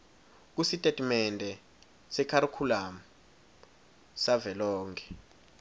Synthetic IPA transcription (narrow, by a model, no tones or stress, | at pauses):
k̬usitʼetʼimɛndʱɛ | sɛkʰaɾukʰulaːmu | savɛlɔːŋkʰɛ̥